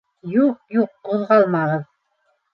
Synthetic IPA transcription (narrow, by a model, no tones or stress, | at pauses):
juq̚juq̚ːuðʁɑlˠmɑʁɤð